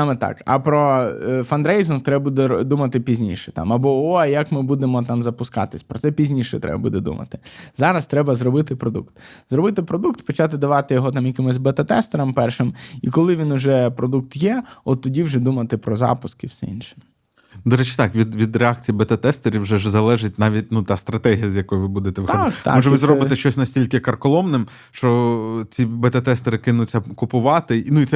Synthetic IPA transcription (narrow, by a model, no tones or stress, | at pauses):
ɑmet̪ɑ̰kɐ̰pɾɔfɐnd̪ɾɛjzɪnt̪ɾɛbɐbud̪ɛd̪umɐt̪ɪpʲizʲnʲḭʃɛ̥t̪ɑ̰mɐbɔɔjɐkmɪbud̪emɔt̪ɑmzɐpʊskɑ̰t̪ɪsʲpɾɔt̪sɛpʲizʲnʲiʃɛt̪ɾɛ̰bɐ̰bud̪ɛd̪ṵmɐ̰t̪ɪ̥zɑɾɐst̪ɾɛbɐzɾɔbɪt̪ɪpɾɔd̪ṵkt̪zɾɔbɪt̪ɪpɾɔd̪ukt̪pɔt͡ʃɑt̪ɪd̪ɐʋɑt̪ɪjɔɦɔt̪ɑmjɐkɪmɪzʲbɐt̪ɐt̪ɛst̪eɾɐmpɛrʃɪmikɔlˠɪʋʲinʊʒɛpɾɔd̪uk̚t̪jɛɔt̪ːɔdʲiwʒɛd̪umɐt̪ɪpɾɔzɑ̰pʊskɪfsɛḭnʃɪ̥m | d̪ɔɾɛt͡ʃɪ̥t̪ɑkʋʲid̪ʋʲid̪reɑk̚t͡sʲijibet̪ɐt̪ɛst̪eɾʲiwʒɛʒɛzɐlˠɛʒɪtʲnɑʋʲit̚ʲnut̪ɑst̪ɾɐt̪ɛɦijɐzʲjɐkɔjʊʋɪbud̪et̪ɛʋɪxxɔd̪a̰ɔʒɛʋɪzɾɔbɪt̪ɛʃt͡ʃɔsʲnɐsʲtʲilʲkɪkɐrkɔlˠɔmnɪm | ʃt͡ʃɔt͡sʲibet̪ɐt̪ɛst̪eɾɪkɪnʊt͡sʲːɐkʊpʊʋɑt̪ɪnuit̪sɛ